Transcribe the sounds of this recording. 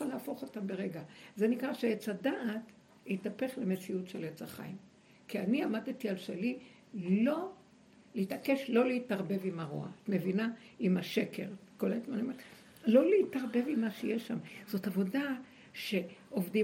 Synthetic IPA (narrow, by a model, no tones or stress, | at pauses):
alaafo̞χo̞tambe̞ʁeɡaze̞nikʁaʃeet͡sadaʔːt | itape̞χle̞me̞t͡siutʃelet͡saχa̰jim | kianiamadtialʃeli | lo̞ | leitake̞ʃlo̞leitaʁbe̞vimaʁo̰a̰atme̞vinaimaʃe̞kʰe̞̰ʁkoletmanim | lo̞leitaʁbe̞vimːaʃejeʃːamz̥o̞tavo̞da | ʃe̞ovdi